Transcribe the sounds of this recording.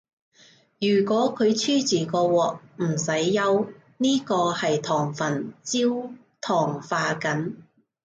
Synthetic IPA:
jyː˨˩kʷɔː˨˥kʰɵ˨˧ɥt͡ʃʰyː˥t͡siː˨˩kɔː˧wɔː˨˩k̚m̩˨˩sɐ˨˥jːɐ˧w | niː˥kɔː˧hɐ˨jt̪ʰɔː˨˩ŋfɐ˨˩nt͡siː˥w | t̪ʰɔː˨˩ŋfaː˧kɐ˨˥n

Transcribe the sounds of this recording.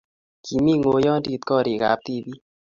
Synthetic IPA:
kʰi˨mi˦ŋo˨jɔ˦ndi˦˨t̪̚kɔ˦˨ɾi˨ka̰˨p̚t̪i˦˨bi˦

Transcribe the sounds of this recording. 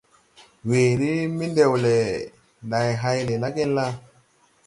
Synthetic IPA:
we˨ɾi˦mi˦nde˨wle˨ | nda˨jɦa˦jle˨la˦ke˦nla˦

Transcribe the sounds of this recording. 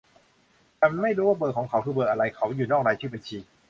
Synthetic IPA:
t̪ɛ˧m˧nma˥˩jɾuː˦˥waː˥˩bɤː˨˩kʰɔ˩˦ŋkʰa˨˩˦wkʰɯː˧bɤː˨˩k̚ʔa˧ɾa˧jkʰa˨˩˦wjuː˨˩nɔː˥˩k̚naː˧jt͡ɕʰɯː˥˩ba˧nt͡ɕʰiː˧

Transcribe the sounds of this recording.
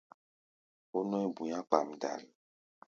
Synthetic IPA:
o˦nɔ̃˦i˦bu˨ɲã˦k͡pa˨mda̰˨l

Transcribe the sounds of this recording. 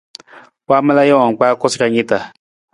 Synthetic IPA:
k͡paː˦ma˦la˦jɔ˦wa˨ŋ˨k͡paː˦kɔ˦ska˦ɲi˦ta˨

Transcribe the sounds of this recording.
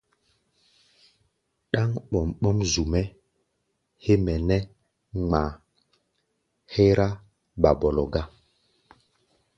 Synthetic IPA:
ɗa˦ŋɓɔ˨mɓɔ˦mzu˨mɛ˦ | he˦mɛ˨nɛ˦ | ŋ͡ma˨ | he˦ɾa˦ | ba˨bɔ˨lɔ˨ɡa˦

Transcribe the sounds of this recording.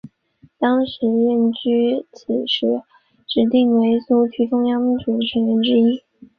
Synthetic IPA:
t̪ɑ˥ŋʂɻ̩˧˥jɛ˥˩nt͡ɕy˥t͡ɕʰi˨˩ʂɻ̩˥˩ | ʈ͡ʂɻ̩˧˥t̪i˥˩ŋwe˧˥ɪsu˥t͡ɕʰy˥ʈ͡ʂʊ˥ŋjɑ˥ŋmi˧˥nʈ͡ʂu˨˩d̪ə˦ʈ͡ʂʰə˧˥ŋɥɛ˧˥nʈ͡ʂɻ̩˥i˥

